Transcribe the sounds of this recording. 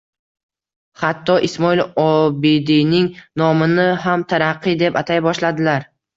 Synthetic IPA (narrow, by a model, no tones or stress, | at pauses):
hat̪ːɒʔɪsmɒilɒbid̪inɪŋnɒmɪnɪɦamt̪ʰaɾaqʰːɨd̪e̞pat̪ʰajbɒʃlad̪ɪlaɾ